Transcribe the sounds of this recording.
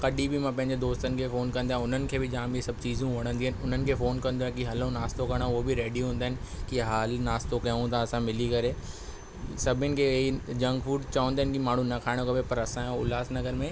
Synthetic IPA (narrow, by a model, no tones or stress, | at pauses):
kɐɗibɪmãpɐ̃ɦɪɲd͡ʑed̪oːst̪ənɪ̆kʰeːfoːnkɐ̃nd̪ãːʊn̤ənɪ̆kʰeːbɪd͡ʑãːmisɐbʱt͡ɕiːzũʋɐɽ̤̃ə̃nd̪iːnɪ̆ʊn̤ənɪ̆kʰeːfoːnkɐ̃nd̪oaẽkiɦɐlõnaːst̪okɐɽ̃aʊɦobɪɾeːɖiɦũːnd̪aːɦɪnɪ̆ | kiɦaːlnaːst̪okɐjãũt̪ʰãɐsãmɪlikɐɾe | sɐbʱɪnɪ̆kʰeːid͡ʑɐ̃ŋɡfuːɖt͡ɕɐʋə̃nd̪aɦɪnɪ̆kimaːɳ̤ũnɐkʰaːɪɽ̃okɐbepɐɾɐsãʊlaːsnɐɡəɾmẽ